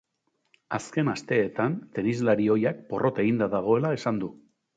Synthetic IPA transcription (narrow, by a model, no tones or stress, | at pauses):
aske̞nast̪e̞ːt̪ant̪e̞nizlaɾio̞jak̚po̞rʔo̞t̪e̞ɣind̪aðaɣ̞o̞e̞lae̞sand̪u